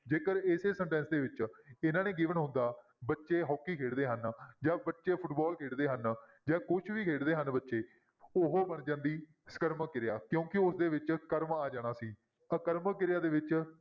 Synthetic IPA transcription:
d͡ʒeːkəɾeseːsə̃ɳʈɛ̃ːnsd̪eːʋɪt͡ʃɪnãːneːɡiːʋənɦʊ̃nd̪aː | bətːʃeːɦɔːkːiːkʰeːɽd̪eːɦənd͡ʒaːbətːʃeːpʰʊʈbɔːlkʰeːɽd̪eːɦən | d͡ʒaːkʊt͡ʃʰʋiːkʰeːɽd̪eːɦənbətːʃeː | ʊɦoːbənd͡ʒãːnd̪iː | sə̥kəɾməkːɪɾɪjaːkjõːkɪʊsd̪eːʋɪt͡ʃkəɾmaːd͡ʒaːɽ̃aːsiː | əkəɾməkɪɾjaːd̪eːʋɪt͡ʃ

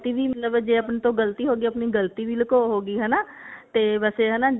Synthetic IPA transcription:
t̪iːʋiːmət̪ləbɛːd͡ʒeːəpnt̪õːɡəlt̪iːɦoːɡiːəpniːɡəlt̪iːʋiːləkoːɦoːɡiːɦɛnaː | t̪eːʋɛːseːɦɛnaː

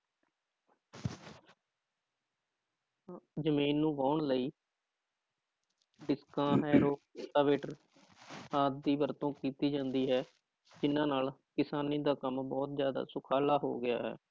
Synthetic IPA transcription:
zəmiːnːũːʋaːʊɳləiː | ɖɪskãːɦɛːɾoːʈ̪aːʋeːʈəɾ | aːt̪̚d̪iːʋəɾt̪õːkiːt̪iːd͡ʒãːnd̪iːɦɛː | d͡ʒɪnãːnaːlkɪsaːniːd̪aːkəmbɔːt̪zjaːd̪a̰ːsʊkʰaːlaːɦo̰ːɡɪja̰ːɦɛ̰ː

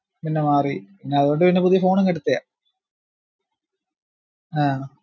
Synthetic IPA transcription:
pinːemaːripinːeɐðuɾo̞ɳɖɨpinːepuðijɐfo̞ːɳɐŋkɐɽut̪ːɐja̰ː | aː

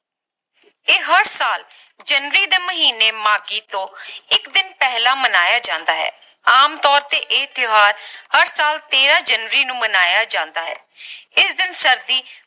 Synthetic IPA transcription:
eːɦəɾsaːl | d͡ʒənɾiːd̪eːməɦiːneːmaːkiːt̪õːɪkd̪ɪnpɛɦlaːmənaːjaːd͡ʒãːnd̪aːɦɛ̰ː | aːmt̪ɔːɾt̪eːʔɪt̪ɪɦaːɾhəɾsaːlt̪eːɾaːd͡ʒənʋəɾiːnũːmənaːjaːd͡ʒãːnd̪aːɦɛ̰ː | ɪsd̪ɪnsəɾd̪iː

